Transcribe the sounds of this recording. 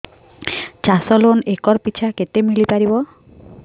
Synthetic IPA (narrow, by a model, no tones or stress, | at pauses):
t͡ʃasɔlonekɔɾpit͡ʃʰaket̪emiɭipaɾibɔ